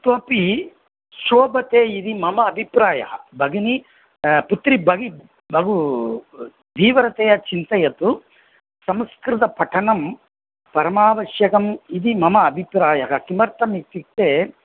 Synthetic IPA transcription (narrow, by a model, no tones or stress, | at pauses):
t̪oːpi | ʃoːbɐt̪eːid̪imɐmɐːbʱipɾaːjɐ̰ɦɐbʱɐɡɐni | put̪ɾibʱɐɡi | bʱɐɡu | d̪iːʋɐɾɐt̪ejɐt͡ʃint̪ɐjɐt̪u | sɐmskɾɪt̪ɐpɐʈʰɐnɐm | pɐɾɐmaːʋɐʃjɐkɐmid̪imɐmɐːbʱipɾaːjɐɦɐkimɐɾt̪ɐmikt̪ik̚t̪eː